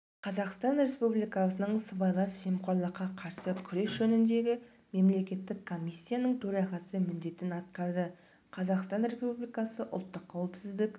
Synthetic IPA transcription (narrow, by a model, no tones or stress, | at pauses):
qʰɑzɑqst̪ɑnɾe̞spublijkɑsənəɴsəbɑjlˠɑɾʃemqoɾlˠəqːɑqʰɑɾsəkʲʰʏɾe̞sʒ̥ɵnɪnd̪e̞ɡʲɪ | me̞mle̞kʲe̞t̪ːɪkʰːo̞mʲijsʲːijanəɴt̪ʰɵɾɑʁɑsəmʏnd̪e̞t̪ɪnɑt̪̚qɑɾd̪ə | qʰɑzɑqst̪ɑnɾe̞spublijkɑsəʔʊ̰lˠt̪ːəqʰːɑwɪpsɪzd̪ɪk